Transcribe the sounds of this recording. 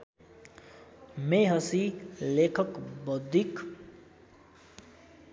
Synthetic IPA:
meɦʌsilekʰʌkbʌd̪ʱik

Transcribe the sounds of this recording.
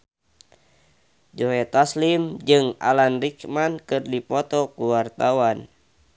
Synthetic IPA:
d͡ʒɔɦɛt̪aslimd͡ʒɨŋa̰lanrikmankɨrdipɔt̪ɔkuwart̪awan

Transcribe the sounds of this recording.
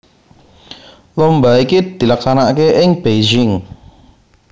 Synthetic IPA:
lombaikid̪̥i̤laksanakeʔɪŋb̥ed͡ʒɪŋ

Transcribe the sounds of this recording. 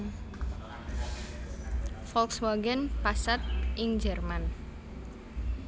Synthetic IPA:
fɔlkswaɡənpasat̪̚ʔɪŋd͡ʒɛrman

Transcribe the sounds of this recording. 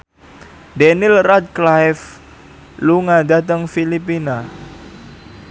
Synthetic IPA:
dɛnɪlrad̪̚klajf | luŋad̪at̪əŋfilipina

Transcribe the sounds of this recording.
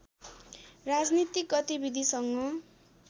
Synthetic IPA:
rad͡znit̪ik̚ɡʌt̪ibid̪ʱisʌŋɡʌ

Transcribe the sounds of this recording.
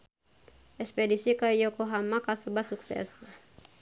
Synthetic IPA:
ɛspɛdisikajɔkɔɦamakasubasuksɛ̰s

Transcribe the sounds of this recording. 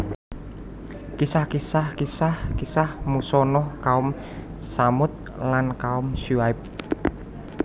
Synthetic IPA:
kisahkisahkisahkisahmusɔnɔkaʊm | samʊt̪̚ | lankaʊmʃuaɪp̚

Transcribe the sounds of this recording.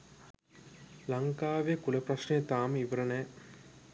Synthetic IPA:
laŋkaːʋejəkuləprɐʃnejət̪aːməiʋəɾənɛː

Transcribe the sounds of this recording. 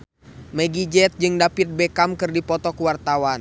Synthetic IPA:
mɛɡid͡ʒɛt̪̚d͡ʒɨŋdapit̪̚bɛkamkɨrdipɔt̪ɔkuwart̪awan

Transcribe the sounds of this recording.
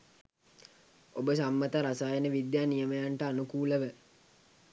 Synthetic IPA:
obəsamːət̪əɾasaːjənəʋid̪jaːnijəməjaɳʈəanukuːləʋə

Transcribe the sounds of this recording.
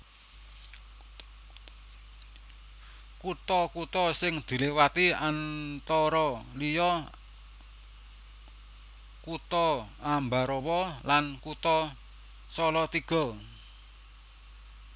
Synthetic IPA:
kut̪ɔkut̪ɔsɪŋd̪̥i̤lewat̪iant̪ɔɾɔlijɔ | kut̪ɔambaɾɔwɔlankut̪ɔ | sɔlɔt̪iɡ̥ɔ̤

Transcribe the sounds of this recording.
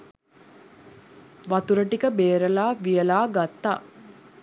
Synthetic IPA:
ʋɐt̪uɾəʈikəbeːɾəlaːʋijəlaːɡat̪ːaː

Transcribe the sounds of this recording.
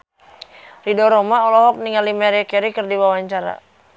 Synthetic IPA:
ridɔɾɔmaɔlɔɦɔk̚niŋalimɛɾɛkɛɾikərdiwawaɲt͡ʃaɾa̰

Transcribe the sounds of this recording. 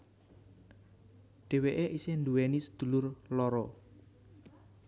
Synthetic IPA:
ɖ̪̥e̤weʔeʔisend̪uwɛnisə̥d̪̥ṳlʊrlɔɾɔ

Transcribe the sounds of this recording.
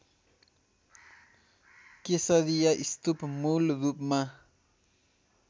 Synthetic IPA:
kesaɾijaʔist̪upmulɾupma

